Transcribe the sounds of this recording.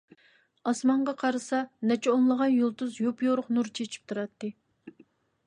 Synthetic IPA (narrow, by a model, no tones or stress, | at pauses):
ɑsmɑɴʁɑqʰɑɾɨsɑnɛt͡ʃʰɛonlˠəʁɑnjolˠt̪uzjopjoɾʊqnuɾt͡ʃʰet͡ʃʰi̥p̚t̪ʰuɾɑt̪ːɨ